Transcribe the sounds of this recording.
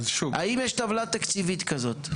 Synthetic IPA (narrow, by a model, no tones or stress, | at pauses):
zʃua̰imjeʃt̪avlat̪akt͡sivit̪kazo̞t̪